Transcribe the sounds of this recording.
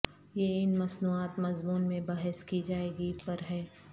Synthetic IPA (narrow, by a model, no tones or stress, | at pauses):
jeɪnmɐsnuːaːt̪mɐzmuːnmẽbɐɦɛskid͡ʒaːeːɡipɐɾɦɛː